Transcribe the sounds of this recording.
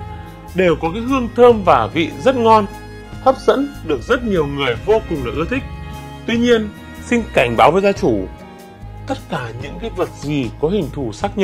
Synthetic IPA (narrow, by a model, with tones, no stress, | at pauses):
ɗe˨˩wkɔ˨˦kaː˨˦jɦɨ˧əŋt̪ʰəː˧mvaː˨˩vḭ˧˨zə˦˥t̚ŋɔ˧n | t̪ʰə˦˥p̚zə̰˧˥nɗɨ˨˩ək̚zə˦˥t̚ɲi˨˩əwŋɨ˨˩əjvo˧kʊ˨˩ŋ͡mlaː˨˩ʔɨ˧˥ət̪ʰï˦˥k̟̚ | t̪wi˧ɲi˧ən | sï˧nka˧˩jŋ̟ɓaː˨˦wvəː˨˦jzaː˧t͡ɕu˧˩ | t̪ə˦˥t̚kaː˧˩ɲɨ̰˧˥ŋkaː˨˦jvə˨˩t̚zi˨˩kɔ˨˦hï˨˩ŋ̟t̪ʰu˧˩saː˦˥k̚ɲə̰˧˥